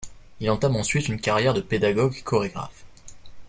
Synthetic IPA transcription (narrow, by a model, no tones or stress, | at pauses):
ilɑ̃t̪amɑ̃sɥit̪ynkaʁjɛʁd̪əped̪aɡɔɡekʰɔʁeɡʁa̰f